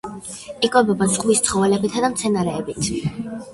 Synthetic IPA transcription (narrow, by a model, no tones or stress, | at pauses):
ikʼwɛbɔbazʁmist̪sʰχɔvɛlɛbit̪ʰad̪amt̪sʰɛnaɾɛːbit̪ʰ